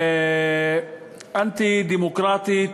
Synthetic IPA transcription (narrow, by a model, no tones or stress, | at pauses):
ʔant̪id̪imʊkɾˤɑːt̪i